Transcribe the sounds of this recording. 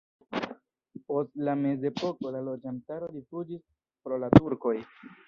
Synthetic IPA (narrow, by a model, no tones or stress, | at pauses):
po̞stlame̞ze̞po̞ko̞lalo̞d͡ʒantaɾo̞difud͡ʒis | pɾo̞latuɾko̞j